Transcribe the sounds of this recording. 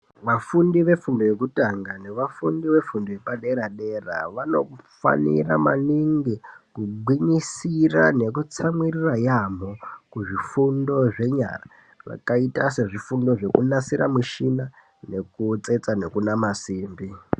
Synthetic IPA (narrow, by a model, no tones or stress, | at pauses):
ʋafundiʋe̞fundoje̞kutaŋɡane̞ʋafundiʋe̞fundoje̞paɗe̞ɾaɗe̞ra̰ʋano̞̰fa̰nḭra̰maniŋɡikuɡʱwiɲisira̰ne̞kut͡samwirirajamokuʐifundo̞ʐe̞ɲa̰ra | ʋa̰kaitase̞ʐifundo̞ʐe̞kunasiɾamiʃina | nekut͡se̞t͡sane̞kunamasiːmbi